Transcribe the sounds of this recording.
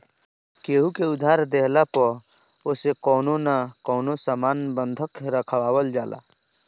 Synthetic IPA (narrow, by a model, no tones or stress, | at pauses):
keːɦukeʊd̪ʱaːɾd̪eɦlapə | oːsekɔːnonakɔːnosaːmaːnbənd̪ʱəkɾəkʰəwaːwəld͡ʒaːlʔa̰